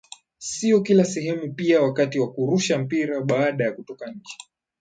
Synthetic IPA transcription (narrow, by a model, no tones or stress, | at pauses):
siɔkilasɛɦɛmupiawakatiwakuɾuʃam̩piɾaɓaːɗajakutɔkaɲ̩t͡ʃi̥